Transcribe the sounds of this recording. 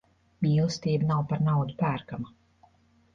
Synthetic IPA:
miːlˠst̪iːbnawpaɾnawd̪upæːɾkama

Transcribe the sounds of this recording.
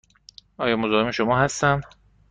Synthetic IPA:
ɒːjɒːmozɒːhemeʃomɒːɦæst̪ænd̪

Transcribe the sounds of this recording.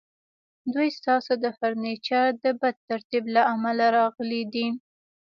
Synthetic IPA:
d̪ujst̪ɑsod̪əfaɾnet͡ʃaɾd̪əbad̪̚t̪aɾt̪iblaamalaɾɑɣəlid̪i

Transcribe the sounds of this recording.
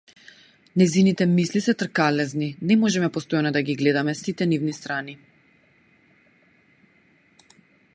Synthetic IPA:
nɛjzinit̪ɛmislisɛt̪rkalɛzninɛmɔʒɛmɛpɔst̪ɔjanɔd̪aɡiɡlɛd̪amɛsit̪ɛnivnist̪ɾani

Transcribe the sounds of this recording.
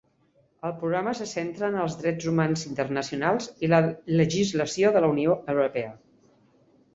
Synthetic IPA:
əlˠpɾuɣɾaməsəsent̪ɾəːnəlˠzðɾɛd͡zumanzint̪ərnəsiunalˠzilələʒizləsioðələunioʔəwɾupɛə

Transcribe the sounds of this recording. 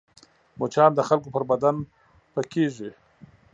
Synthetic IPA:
mot͡ʃɑːnd̪əxalkopəɾbad̪an | pəkeʐi

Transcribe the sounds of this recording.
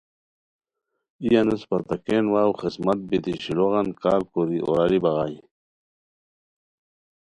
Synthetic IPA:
ijanuspɐɾt̪akenwaːwxismɐt̪̚bit̪iɕiloɣɑnkaːɾkoɾiʔo̰ɾaɾibaɣaj

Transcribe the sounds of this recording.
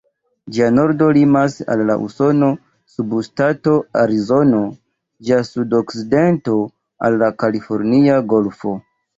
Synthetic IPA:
d͡ʒiano̞ɾdo̞limasa̰lːa̰ʔṵso̞no̞ | subustato̞aɾizo̞no̞ | d͡ʒiasudokside̞nto̞ | a̰lːakalifo̞ɾniaɡo̞lfo̞

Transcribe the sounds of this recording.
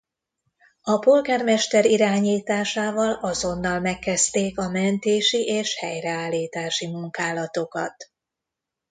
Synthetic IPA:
ɒpo̞lɡaːrmɛʃt̪ɛɾiɾaːɲiːt̪aːʃaːvɒlɒzo̞nːɒlmɛkːɛst̪eːkɒmɛnt̪eːʃiʔeːʃhɛjrɛaːlːiːt̪aːʃimuŋkaːlɒt̪o̞kɒ̰t̪

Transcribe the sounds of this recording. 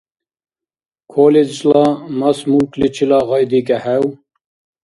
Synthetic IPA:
kʰoled͡ʒlɑːmɑsmuklit͡ʃʰilɑːɣɑjd̪ikɛhɛw

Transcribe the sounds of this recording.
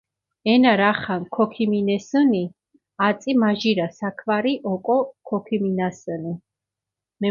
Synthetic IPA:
ɛnaɾaχankʰɔkʰiminɛsəni | at̪sʼimaʒiɾasakʰvaɾiʔɔkʼɔkʰɔkʰiminasəni | mɛ

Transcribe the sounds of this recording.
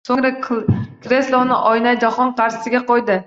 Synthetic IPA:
soŋɾakʲɾe̞slˠɒnɪ̰ʔɒjnajd͡ʒaχɒnqʰɑɾʃɪ̥sɪɡʲaqɒjd̪ɪ

